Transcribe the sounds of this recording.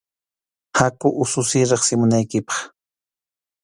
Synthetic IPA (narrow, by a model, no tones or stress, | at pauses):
hakʊʔʊsʊsɪɾɑχsɪmʊnajkɪpɑ̥χ